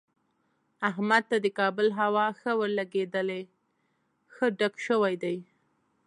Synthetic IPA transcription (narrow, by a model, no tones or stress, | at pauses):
aɦmad̪̚t̪ad̪əkɑbəlɦawɑxəwəɾlaɡed̪əle | xəɖakʃəwajd̪aj